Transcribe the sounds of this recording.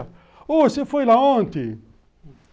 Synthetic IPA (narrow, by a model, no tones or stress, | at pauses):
osɪfojlaõnt̪ɪ